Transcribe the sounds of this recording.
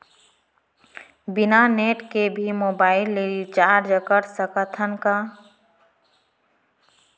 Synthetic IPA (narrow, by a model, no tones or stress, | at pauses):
bɪnaneːʈkebʱimoːbaːɪlːeɾt͡ʃaːɾd͡ʒəkəɾsəkət̪ʰənka